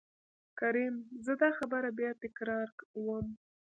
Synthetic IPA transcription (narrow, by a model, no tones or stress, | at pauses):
kaɾimzəd̪ɑxabəɾabjɑt̪ɪkɾɑɾkwəm